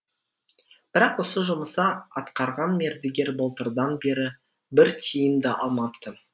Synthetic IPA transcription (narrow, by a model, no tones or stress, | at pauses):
b̥ɪɾɑqwo̞səʒʊməsɑɑt̪qɑɾʁɑnme̞ɾd̪ɪɡʲe̞ɾbolˠt̪əɾd̪ɑnbe̞ɾɪ | bɪɾt̪ʲʰijɪnd̪ɪʔɑlˠmɑpt̪ə